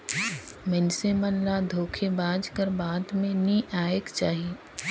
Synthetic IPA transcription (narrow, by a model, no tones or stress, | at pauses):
mɛnsemənlad̪ʱoːkʰebãːd͡ʒkəɾbaːd̪mẽnĩʔaːekt͡ʃaːɦie